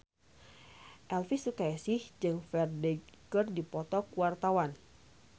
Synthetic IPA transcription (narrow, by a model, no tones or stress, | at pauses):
ʔɛlfisukajasɪhd͡ʒɨŋfɛrdɛɡɨrdipɔt̪ɔkuwart̪awan